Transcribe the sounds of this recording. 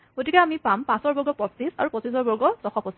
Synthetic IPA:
ɡotikɛamipampãsɔɹbɔɹɡɔpɔsisa̰ɹupɔsisɔɹbɔɹɡɔsɔxɔpɔsi

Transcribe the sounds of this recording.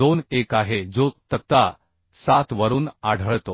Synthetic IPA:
onekaɦed͡zot̪ək̚t̪a | sat̪ʋəɾuːnaɽ̤ʱəɭt̪o

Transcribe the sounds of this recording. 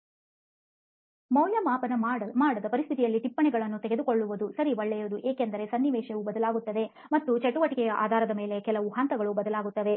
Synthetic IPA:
mɐwljɐmaːpɐnɐmaːɽɐd̪ɐpɐɾist̪ʰit̪ijɐlːiʈipːɐɳɛɡɐɭɐnːut̪ɛɡe̞d̪ukoɭːuʋud̪usɐɾiʋɐɭːɛjod̪uʔeːkend̪ɐɾe̞sɐnːiʋɛːʃɐʋubɐd̪ɐlaːɡut̪ːɐd̪e̞ | mɐt̪ːut͡ʃɐʈːuʋɐʈikɛjɐʔa̰ːd̪ʱaːɾɐd̪ɐme̞ːle̞kɛlɐʋuɦɐnt̪ɐɡɐɭubɐd̪ɐlaːɡut̪ːɐʋ̪e̞

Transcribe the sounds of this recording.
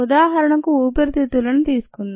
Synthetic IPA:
ud̪aːɦɐɾɐɳɐkuuːpɐɾt̪it̪ulɐnut̪iːsu̥kunːa

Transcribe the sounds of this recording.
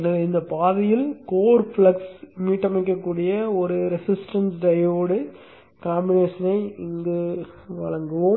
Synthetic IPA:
nɐðɯɪnd̪ɐpaːðɐjɪlkoːɾfɭɐksmiːʈːɐmɐɪk̬ːɐkːuːɽɪjɐɔɾɯɾɛsɪsʈɐnsɖɐjʋoːɽɯ | kaːmbɪneːʂɐnɐɪɪŋɡɯ | ʋɐ̰ɭɐŋɡɯʋo

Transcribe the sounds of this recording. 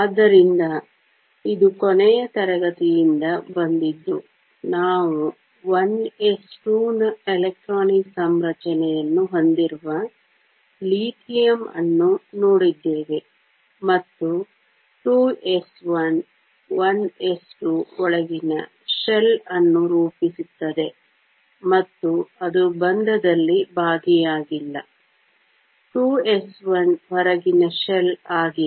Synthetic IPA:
aːd̪ːɐɾind̪ɐ | id̪ukɔnɛjɐt̪ɐɾɐɡɐt̪ijind̪ɐbɐnd̪id̪ːu | naːʋu | ʋɐnesʈuːnɐelek̚ʈɾaːniksɐmɾɐt͡ʃɐnɛjɐnːuɦo̞nd̪iɾuʋɐ | liːʈʰijɐmɐ̰nːunoːɽid̪ːeːʋe̞ | mɐt̪ːu | ʈuːesʋɐn | ʋɐnesʈuɔɭɐɡinɐ̰ | ʃelɐnːuɾuːpisut̪ːɐd̪e̞ | mɐt̪ːuɐd̪ubɐnd̪ɐd̪ɐlːibʱaːɡijaːɡilːɐ̰ | ʈuːesʋɐnʋɔɾɐɡinɐʃelaːɡi

